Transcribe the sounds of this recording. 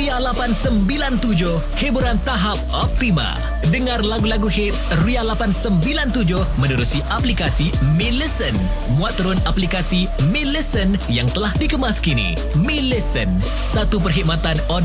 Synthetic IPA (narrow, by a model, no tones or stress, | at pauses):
ialapansəmbilant̪ud͡ʒʊhhibuɾant̪aɦap̚ɔp̚t̪imã̰ | dəŋarlaɡulaɡuhɪt̪̚srialapansəmbilant̪ud͡ʒʊhmə̃nuɾusiʔaplikasimiləsən | muat̪ːəɾʊnaplikasi | miləsənjaŋt̪əlahdikəmaskinḭ | miləsən | sat̪upərɦik̚mat̪anɔ